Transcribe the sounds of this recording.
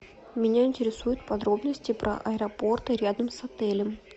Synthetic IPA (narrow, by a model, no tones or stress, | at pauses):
mʲɪnʲaɪnʲtʲɪɾʲɪsujʊt̪̚pɐd̪ɾo̞bnəsʲtʲɪpɾə̰ʔɐɛɾɐpo̞rt̪əɾʲad̪əmsɐt̪ɛlʲəm